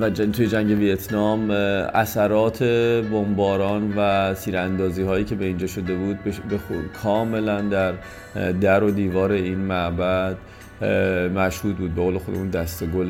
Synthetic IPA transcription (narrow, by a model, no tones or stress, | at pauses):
væt̪uːje̞d͡ʒæŋɟe̞vijet̪ʰnɒːmæsæɾɒːt̪ʰe̞bombɒːɾɒːnvæt̪ʰiːɾænd̪ɒːziːɦɒːjiːcʰe̞be̞ind͡ʒɒːʃo̞d̪e̞buːd̪̚bebekʰɒːme̞lænd̪æɾ | d̪æɾo̞d̪iːvɒːɾe̞iːnmæʔbæd̪̥ | mæʃhuːt̪̚buːd̪̚beɣoːle̞xod̪emuːnd̪æst̪eɡol